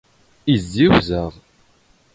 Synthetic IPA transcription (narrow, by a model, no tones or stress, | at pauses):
izːiwzəʁˤ